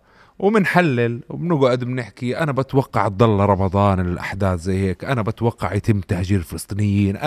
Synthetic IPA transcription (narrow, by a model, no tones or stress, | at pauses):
wɪmɪnħalːɪlwmnɪɡuʔad̪ɪmnɪħkiʔanabat̪wɑqːɑʕ̚d̪ˤɑlːɑɾˤɑmɑd̪ˤɑːnlɪlʔa̰ħd̪aːθzajːheːkʔanabat̪wɑqːɑʕjat̪ɪmt̪aħʒiːɾɪlfɪlɑsˤt̪ˤiːnɪjːiːnʔa